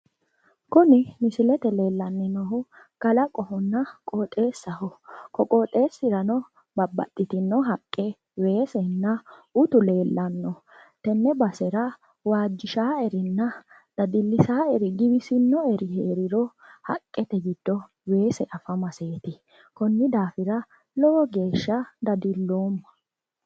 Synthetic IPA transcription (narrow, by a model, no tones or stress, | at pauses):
kʊnɪmɪsɪlɛt̪ɛle̞ːlːɐnːɪnɔɦʊ | kɐlɐkʼɔhɔnːɐkʼoːt̪ʼe̞ːsːɐɦɔkɔkʼoːt̪ʼe̞ːsːɪɾɐnɔ | bɐbːɐ̰t̪ʼːɪt̪ɪnːɔɦɐkʼːɛ | we̞ːsɛnːɐʊt̪ʊle̞ːlːɐnːɔ | t̪ɛnːɛbɐsɛɾɐ | waːd͡ʒːɪʃaːɛɾɪnːɐ | d̪̥ɐd̪ɪlːɪsaːɛɾɪɡɪbɪsɪnːɔɛɾɪheːɾɪɾɔhɐ̰kʼːɛt̪ɛɡɪd̪̥ːɔ | we̞ːsɛʔɐfɐmɐseːt̪ɪ | kɔnːɪd̪aːfɪɾɐ | lɔwɔɡe̞ːʃːɐd̪ɐd̪ɪlːo̞ːmːɐ̥